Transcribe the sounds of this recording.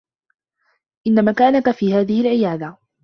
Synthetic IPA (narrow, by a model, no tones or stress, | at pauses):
ʔɪnːamakaːnakfiːhaːðɪhɪlʕɪjaːd̪a